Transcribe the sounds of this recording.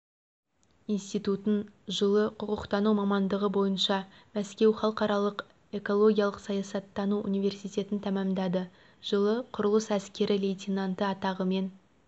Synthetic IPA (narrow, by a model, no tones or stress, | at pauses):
ijnst̪ijt̪ut̪ənʒəlˠəqʰʊqəqt̪ɑnumɑmɑnd̪əʁəbo̞jənʃɑmæskʲe̞wχɑlˠqɑɾɑlˠəq | e̞ko̞lˠo̞ɡʲijɑlˠəqsɑjɑsɑt̪ːɑnuʔṵnijve̞rsijt̪e̞t̪ɪnt̪ʰæmɑmd̪ɑd̪ə | ʒ̥əlˠəqʰʊɾəlˠəsæskʲe̞ɾɪlejt̪ʲinant̪əɑt̪ɑʁəme̞n